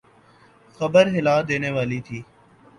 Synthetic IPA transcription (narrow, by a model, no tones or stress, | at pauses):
xəbəɾɦɪlaːd̪eːneːʋaːliːt̪ʰiː